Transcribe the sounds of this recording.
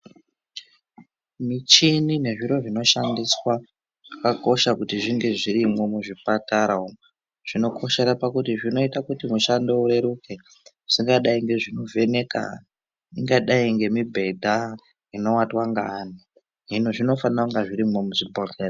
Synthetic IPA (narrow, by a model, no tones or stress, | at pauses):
mit͡ʃinine̞ʐiɾo̞ʐino̞ʃandiswa | ʐ̥akako̞ʃakutiʐiŋɡe̞ʐiɾimo̞muʐipataɾao | ʐ̥ino̞kʰo̞ʃe̞ɾapakutiʐino̞itakutimuʃando̞uɾe̞ɾukʰe̞ | usiŋɡaɗaiŋɡe̞ʐino̞vʱe̞ne̞ka̰n | iŋɡaɗaiŋɡe̞mibʱe̞dʱa | ino̞watwaŋɡani | ɦinoʐino̞fanraŋɡaʐiɾimo̞musutbolker